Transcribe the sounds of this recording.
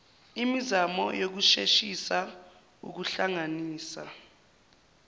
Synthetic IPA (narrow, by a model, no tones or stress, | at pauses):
imizamɔjok̬uʃeʃisa | ṵk̬uɬaŋaniːsa̰